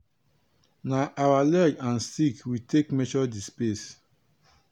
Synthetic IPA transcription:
naʔawalɛd͡ʒãnstikwitʰekmɛt͡ʃɔdispes

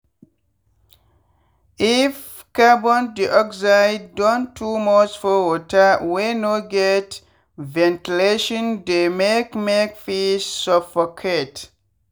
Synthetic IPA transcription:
if | kabɔ̃ndiʔɔkzaɪdːɔ̃ntʰumɔsfɔwɔtawenoɡɛt | vɛ̃ntileʃɔ̃ndemekmekfissɔfɔkʰet

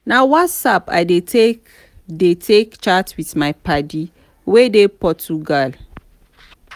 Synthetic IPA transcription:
nawɔtsapa̰jdetʰe | detʰekt͡ʃatwitmajpadi | wedepɔtuɡal

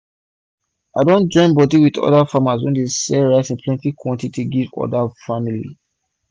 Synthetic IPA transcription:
aɪdõnd͡ʒɔ̃ɪ̃nbɔdiwiðɔ̰dafamaswɛ̃ndesɛɹasĩnpʰlɛ̃ntikwɔ̃ntituɡivɔ̰dafamilḭ

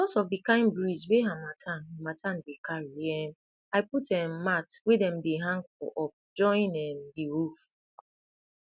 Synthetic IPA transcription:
dɔsɔfdikãɪ̃nbɹizweɦamatʰãnamatʰãndekʰaɹiɛm | aɪputɛ̃mːatwedɛ̃mdeɦãŋfɔ̰ʔɔp̚d͡ʒɔ̃ĩnɛmdiɹuf

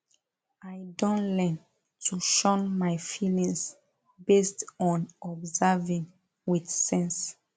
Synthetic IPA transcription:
ajdõnlɛn | tʰuʃɔ̃nmajfilĩŋs | bestɔ̃nɔbzavĩŋ | widsɛ̃ns

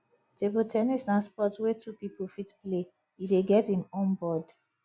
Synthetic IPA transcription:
tebotʰɛnisnaspɔtswetʰupipolfitple | ideɡɛthĩmɔ̃nbɔd

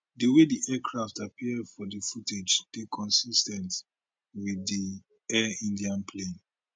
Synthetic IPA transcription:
dəwediʔɛkʰɹaftapʰiədfɔdəfutʰed͡ʒd̥ekʰɔ̃nsistɛ̃nt | wiði | ɛĩndiãnpʰlẽn

